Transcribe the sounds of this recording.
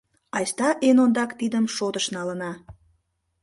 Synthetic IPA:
ɑjst̪ɑʔenond̪ɑkt̪id̪əmʃot̪əʃnɑlənɑ

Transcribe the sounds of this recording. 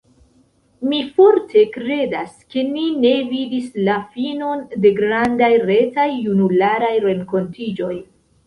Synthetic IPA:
mifo̞ɾtʰe̞kɾe̞daske̞nine̞vidislafino̞nde̞ɡɾandajɾe̞tajːunulaɾajɾe̞ŋko̞ntid͡ʒo̞j

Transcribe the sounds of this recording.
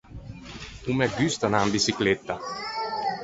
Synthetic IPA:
umɛɡyst̪anaːmbisiklet̪ːa

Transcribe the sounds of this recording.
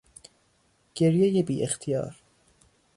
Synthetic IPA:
ɡ̥eɾjejebiːʔext̪ʰijɒ̰ːɾ

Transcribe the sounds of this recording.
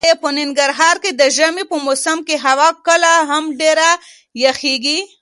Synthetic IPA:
jepənɪŋɡaɾɦɑɾked̪əʒamipəmosamkeɦawɑkəlaɦamɖeɾa | jaxeɡi

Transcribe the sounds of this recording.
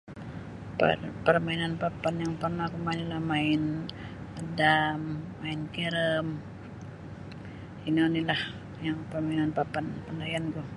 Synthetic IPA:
pə̰rpərmainanpapanjaŋpərnakumanilahmaɪn | ədamː | aɪnkiɾəm | inonilah | jaŋpərmainanpapanpandajanku

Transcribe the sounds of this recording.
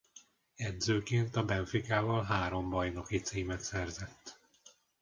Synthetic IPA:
ɛd̪zøːkeːnt̪ɒbɛɱfikaːvɒlɦaːɾo̞mbɒjno̞kit̪siːmɛt̪sɛrzɛt̪ː

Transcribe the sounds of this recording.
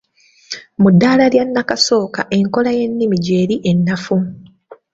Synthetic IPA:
mudːaːlaljanːakaso̞ːkaʔe̞ŋko̞laje̞nːimiɟe̞ːɾiʔe̞nːafu

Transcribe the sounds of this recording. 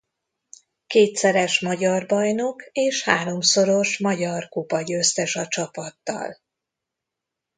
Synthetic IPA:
keːt̪sɛɾɛʃmɒɟɒrbɒjno̞keːʃhaːɾo̞mso̞ɾo̞ʃmɒɟɒrkupɒɟøst̪ɛʃɒt͡ʃɒpɒt̪ːɒ̰l

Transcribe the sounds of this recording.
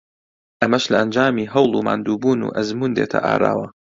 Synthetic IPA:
ʔɐmɐʃlɐʔɐnd͡ʒaːmiːɦɐwlˠuːma̰ːnd̪uːbuːnṵːʔɐzmund̪eːt̪ʰɐ̰ʔa̰ːɾa̰ːwɐ

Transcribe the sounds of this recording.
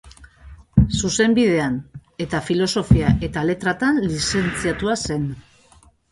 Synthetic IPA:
suse̞mbiðe̞ane̞t̪afilo̞so̞fiaʔe̞t̪ale̞t̪ɾat̪anlise̞nt͡siat̪uase̞n

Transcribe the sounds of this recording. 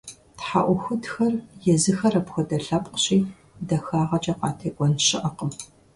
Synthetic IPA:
tħa̰ʔʷʊxʷʊtxɐrjɛzɨxɐrɐpxʷɔdɐɬɐpʼqə̥ɕiː | dɐxaːʁɐt͡ʃʼɐqɑːtʰeːɡʷɔnɕɪʔɐqəm

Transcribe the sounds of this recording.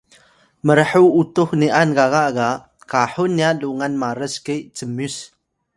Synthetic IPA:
məɾəħuutuxniʔanɡaɣaʔɡa | kaħunːialuŋanmaɾəsket͡səmus

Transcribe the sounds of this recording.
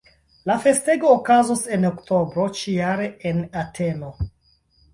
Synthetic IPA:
lafe̞ste̞ɡo̞ːkazose̞nokto̞bɾo̞t͡ʃijaɾeenatʰe̞no̞

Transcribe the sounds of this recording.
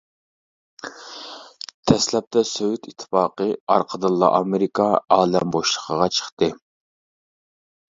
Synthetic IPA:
t̪ʰɛslɛp̚t̪ɛsøwyt̪ʰit̪ʰːə̥fɑːqəɑɾqʰəd̪ɨlˠːɑ̰ʔɑmeɾikʰɑɑːlɛmboʃlˠə̥qʰəʁɑt͡ʃʰə̥χt̪ɨ

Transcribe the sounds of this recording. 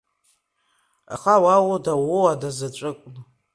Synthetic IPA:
a̰χawawodawowadazat͡ʃʷʼɨkʷʼn

